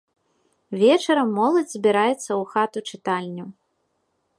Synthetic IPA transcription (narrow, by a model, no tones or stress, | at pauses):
vʲɛt͡ʂɐɾɐmːɔlˠɐd͡zʲzʲbʲiɾajɛt̪sːɐuxat̪ut͡ʂɨt̪alʲnʲɐ